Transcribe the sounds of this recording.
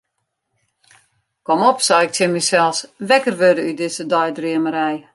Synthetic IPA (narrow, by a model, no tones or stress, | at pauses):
komɔpsɔwɪk̚tjɪnmisɛlˠsʋɛkərʋødəydɪsədɔjdriəməɾɛj